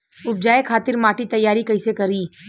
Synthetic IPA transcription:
ʊb̚d͡ʒaːekʰaːt̪ɪɾmaːʈit̪ɐjːaːɾikɐɪsekɐɾiː

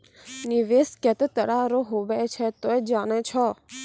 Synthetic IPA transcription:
niʋeskɛt̪ət̪əɽaɾoɦoʋɛt͡ʃʰet̪oed͡ʒanɛt͡ʃʰɔ

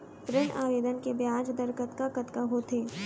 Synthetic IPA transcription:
pɾɪɳʔaːʋeːd̪ənkebjaːd͡ʒd̪ɐɾkɐt̪kakɐt̪kaɦot̪ʰeː

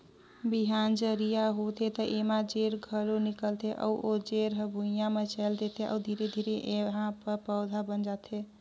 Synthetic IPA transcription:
biɦand͡ʒəɾijaɦot̪ʰet̪əʔemad͡ʒeɾɡʱəlonikəlt̪ʰeʔə̰uʔod͡ʒeɾɦəbʱujamet͡ʃɛld̪et̪ʰeə̰ud̪ʱiɾed̪ʱiɾeʔeɦãpəɾpəwd̪ʱabənd͡ʒat̪ʰe

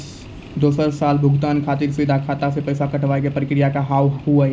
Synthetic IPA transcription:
d̪oːsəɾsaːlbʱʊɡʱt̪aːnkʰaːt̪iɾsid̪ʱakʰaːt̪asepɐːsakəʈʰʋaːekepəɾɪkɾijakaɦaːʋɦua

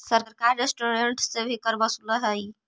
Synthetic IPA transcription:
səɾɾkaɾːesʈoɾeɳʈsebʱikəɾbəsuləɦəj

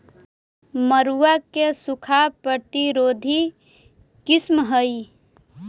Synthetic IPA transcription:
məɾuwakesʊkʰapɾət̪iɾoːd̪ʱi | kɪsmɦəi

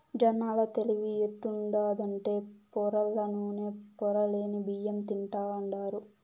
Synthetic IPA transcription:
d͡ʒɐnaːlɐt̪e̞liʋieʈːuɳɖaːd̪ɐɳʈe̞ːpɔɾɐlːɐnuːneːpɔɾɐleːnibijemt̪iɳʈaːʋɐɳɖaːɾu

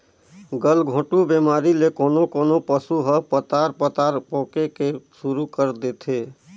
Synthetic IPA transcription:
ɡəlɡʱõːʈubemaːɾilekoːnokoːnopəsuɦəpət̪aːɾpət̪aːɾpɔ̃ːkekesuɾukəɾd̪eːt̪ʰeː

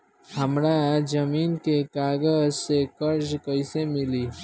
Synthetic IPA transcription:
hɐmɾad͡ʒɐmiːnkekaːɡəzsekəɾd͡ʒkɐɪsemɪliː

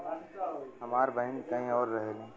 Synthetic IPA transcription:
ɦɐmaːɾbʱəɦɪnkɐɦĩɔːɾːɐɦelẽː

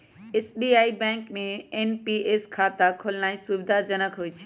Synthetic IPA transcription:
esbiaːibɛ̃ːŋkmẽenpieːskʰaːt̪akʰolnaːisubd̪ʱad͡ʒənəkɦoːit͡ʃʰi̥

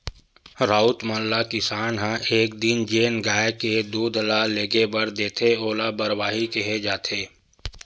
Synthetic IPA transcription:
ɾaːʊt̪mə̃lːakɪsaːnɦãʔeːkd̪ɪnd͡ʒeːnɡaːeked̪uːd̪ʱlaleːɡebɐɾd̪eːt̪ʰeoːlabɐɾwaːɦikeɦed͡ʒaːt̪ʰeː

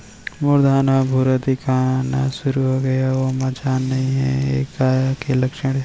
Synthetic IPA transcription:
mʊɾd̪ʱaːnabʱuɾad̪ikʰanasʊɾuɦoɡɐjaʋomad͡ʒaːnːɐɦĩɦɛ̰̃ḛːkajakelɐkʃəɽ̃

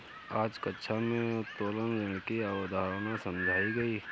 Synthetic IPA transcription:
aːd͡ʒkətːʃʰamẽt̪oːlənzɪ̃nkiaʋəd̪ʱaːɾnasɐ̃md͡ʒʱaːiɡɐiː

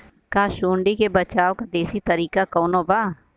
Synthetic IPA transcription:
kaːʃuːɳɖikebət͡ʃaːwkad̪eːsit̪əɾiːkakoːnoːbaː

